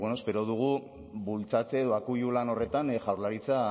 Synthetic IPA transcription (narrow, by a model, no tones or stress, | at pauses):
wenoepe̞ɾo̞ðuɣ̞u | bult͡sat͡se̞ːðo̞akujulano̞re̞t̪anʝawɾlaɾit͡sa